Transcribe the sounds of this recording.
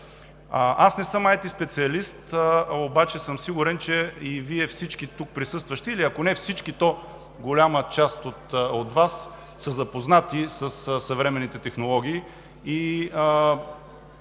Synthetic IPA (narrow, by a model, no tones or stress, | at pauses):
ʔasnɛsəmajt̪ispɛt̪siɐlist̪obat͡ʃɛsəmsiɡʊɾɛnt͡ʃɛiviɛfsit͡ʃkit̪uk̚pɾisɤst̪vəʃt̪ɛiliɐkonɛfsit͡ʃkit̪ɔ | ɡolʲamət͡ʃast̪ot̪ot̪vasː | əzɐpoznat̪isəssɐvɾɛmɛnːit̪ɛt̪ɛxnolˠɔɡ̟ʲiː | iə